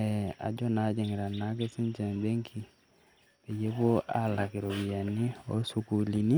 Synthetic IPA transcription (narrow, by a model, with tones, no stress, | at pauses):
ɛa̰˨d͡ʒɔ˦na˨˦d͡ʒɛ˨ŋɡɛ˨ɾa˨na˨˦k̬e˦si˦ɲt͡ʃɛ˨nbe˦ŋkʰi˨ | be˨je˦βo˦ʔa̰˦la˨ki˨ɾo˨wi˨a˨ni˦o̰˦su˨ku˨li˨ni˦